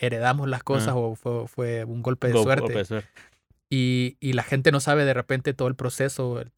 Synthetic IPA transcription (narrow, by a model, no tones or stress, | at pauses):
e̞ɾe̞ðamo̞zlaskosaso̞fwefwe̞uŋɡo̞lpeðeswe̞ɾt̪es | iːlaxe̞nt̪e̞no̞saβe̞ðe̞repent̪e̞t̪o̞ðolpɾo̞se̞so̞